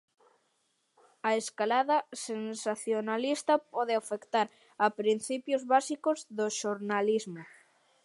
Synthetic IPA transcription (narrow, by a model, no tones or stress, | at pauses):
ɐeskalaðɐsensaθjonalist̪ɐpɔðɪafekt̪aɾ | ɐpɾin̟θipjozβasikozðoʃoɾnalizmo